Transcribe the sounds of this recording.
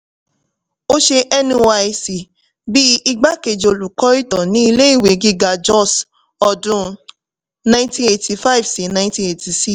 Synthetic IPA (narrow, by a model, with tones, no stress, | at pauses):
o˦ʃe˧ʔɛ˦nĩ˧wa˧i˧si˨ | bi˦i˧ɡ͡ba˦ke˧˨d͡ʒo˧lu˨kɔ˦i˦tɔ̃˨nĩ˨˦i˧le˦i˦˨we˨˦ɡi˧ɡa˧d͡ʒɔ˦˨s | ɔ˧dũ˧˦ | nã˧˦tĩ˦e˧˨ti˧fa˦i˨vsi˨˦nã˧ĩ˦tĩ˧e˧˨tʰi˧si˦